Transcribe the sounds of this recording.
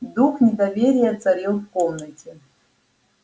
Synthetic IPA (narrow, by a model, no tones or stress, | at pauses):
d̪uxnʲɪd̪ɐvʲeɾʲɪjɛt̪sɐɾʲilˠfkomnətʲɪ